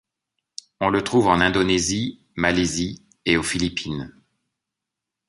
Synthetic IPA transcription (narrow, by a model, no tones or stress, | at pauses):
ɔ̃lət̪χuvɑ̃nɛ̃d̪ɔnezi | malezi | eofilipin